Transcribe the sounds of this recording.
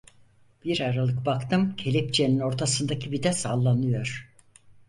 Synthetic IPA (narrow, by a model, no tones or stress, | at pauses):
b̥iɾaɾalˠɯkbakt̪ʰɯmcʰelʲip̚t͡ʃʰenino̞ɾt̪ʰasɯnd̪acʰibid̪ɛsaːlˠːanɯjo̞ɾ̥